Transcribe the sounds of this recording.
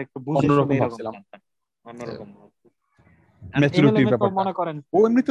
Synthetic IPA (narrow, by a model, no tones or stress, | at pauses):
ek̚ʈubuɔnːoɾɔkombʱat͡ɕʰilam | mɛt͡ɕuɾuiɾbɛpaɾmonekɔɾenoemɾit̪ː